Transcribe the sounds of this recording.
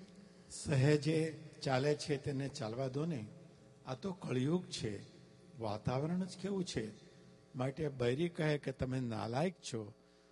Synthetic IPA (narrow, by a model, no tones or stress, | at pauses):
səɦəd͡ʒet͡ʃalet͡ʃʰet̪enet͡ʃalʋad̪ʱoneĩ | at̪okəɭjuɡt͡ʃʰe | ʋa̰t̪aʋəɾəɳ̃əd͡ʒkeʋũt͡ʃʰe | maʈebəjɾikəɦeket̪əmena̰lajk̚t͡ʃʰo